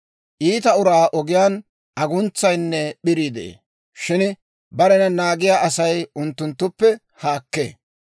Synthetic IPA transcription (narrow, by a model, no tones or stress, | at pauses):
ʔiːt̪ɐʊɾaːʔɔɡɪjaːn | ʔɐɡʊnt͡sːɐjnːɛɓɪɾid̪ḛː | ʃɪn | bɐɾɛnɐnaːɡɪjaːʔɐsɐjʊnt̪ːʊnt̪ːʊpːɛ | haːkːḛː